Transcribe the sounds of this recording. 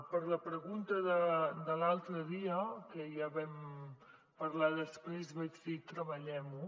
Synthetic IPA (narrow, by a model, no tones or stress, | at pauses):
pəɾləpɾəɣunt̪əðəd̪əlalˠt̪ɾəðiəkəjaβɛm | pəɾlaðəspɾezβɛd͡ʒðit̪ɾəβəʎɛmu